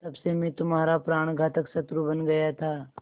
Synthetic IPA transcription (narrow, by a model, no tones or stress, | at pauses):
t̪ɐbsemɛ̃t̪ʊmɦaːɾapɾaːɽ̃ɡʱaːt̪əksɐt̪ɾubɐnɡɐjat̪ʰaː